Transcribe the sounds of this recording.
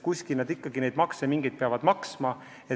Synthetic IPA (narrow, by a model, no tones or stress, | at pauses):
kusʲkilnɑd̪ikːɑɡ̥ine̞jd̪̥mɑksemiŋɡ̥id̪̚peɑvɑd̪̥mɑksmɑ | e